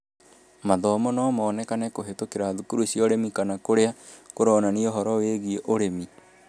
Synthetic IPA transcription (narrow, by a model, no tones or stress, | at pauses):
maðɔmɔnɔmɔːnɛkanɛkoɦetokeɾaːðukuɾusjɔɾemikanakoɾeakoɾɔnanioɦɔɾɔweɣieʔoɾemi